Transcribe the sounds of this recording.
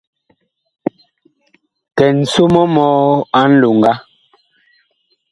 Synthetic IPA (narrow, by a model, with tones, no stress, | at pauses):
kɛ˨n̩˨su˦mɔ˦mɔː˦a˦n̩˦lu˨ŋ˨ɡa˦